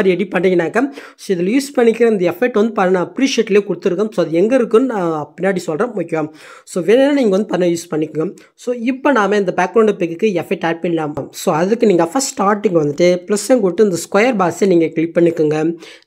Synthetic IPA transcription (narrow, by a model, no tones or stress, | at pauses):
ɾiɛɽipɐɳːɪŋɡɐnːaːkːɐ | soːɪðɪljuːspɐɳːɪkʲːɪɾɐɪnd̪ɐɛfɐɪʈːʋɐnd̪ɯpɐɾɐnãɐpɾiːʂɪɐʈːɪleːkʊɽɯt̪ːɯɾɯkːɐmsoːɐðɯɛŋɡɐɪɾɯkːɯnɯnãːpɪnːaːɽisɔlɾɐmʊkːɪʋɐm | soːʋeːnɛnːaniːŋɡɐʋɐnd̪ɯpɐɾnːɐjuːspɐɳːɪkːɯŋɡɐ | soːɪpːonaːmeɪnd̪ɐbaːkɾɐʊ̃ɳɖpɪkːɯkːɯɛfɐɪʈːaːpɐnlaːmɐmsoːɐðɯkːɯniːŋɡɐfɐsʈaːɾʈːɪŋɡɐʋɐnd̪ɯʈːɯplɐsenk̬ʊɽɪʈːɯɐnd̪ɐskwɐjɐɾbaːseniːŋɡɐklɪʈ̚pɐɳːɪkːɯŋɡɐ